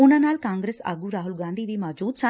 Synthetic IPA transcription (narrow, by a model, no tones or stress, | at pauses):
unanaːlkãːŋɡɾeːsa̰ːɡuɾaːɦʊlɡãːnd̪ʱiʋimaːd͡ʒuːd̪sa